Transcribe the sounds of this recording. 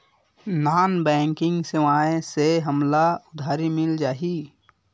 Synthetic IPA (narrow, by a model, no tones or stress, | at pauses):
naːnbɛ̃ːŋkɪ̃ŋɡseʋaːẽseɦəmlaʊd̪ʱaːɾimɪld͡ʒaːɦiː